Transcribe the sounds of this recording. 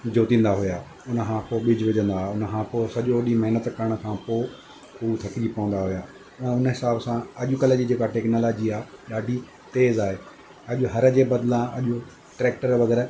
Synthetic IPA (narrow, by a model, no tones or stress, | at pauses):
d͡ʑoːt̪ĩːn̆d̪aɦʊjaː | ʊnəkʰãːpoːɓɪd͡ʑʋɪd͡ʑə̃nd̪aːɦʊnəkʰãːposɐʄoʋɐɗimɐɦɪnət̪kɐɾəɽ̃əkʰãpoː | pʊɾut̪ʰɐkɪd͡ʑipɐʋə̃nd̪aɦʊjãː | ʊnəɦɪsaːbsãɐʄʊkɐlə̆d͡ʑiːd͡ʑeːkaʈeːknoloːd͡ʑiaːɗaːɖʱi | t̪eːzaːɦeː | ɐʄʊɦɐɾəd͡ʑeːbɐd̪lãɐ̰ʄʊ | ʈɾeːkʈəɾʋɐɡɛːɾ